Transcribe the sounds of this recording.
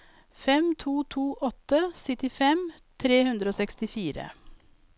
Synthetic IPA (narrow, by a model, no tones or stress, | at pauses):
fɛmt̪ʰuːt̪ʰuːʔɔt̪ːəsɪt̪ɪfɛm | t̪ʰɾeːhʉnd̪ɾəoːsɛkst̪ɪfiːɾə̰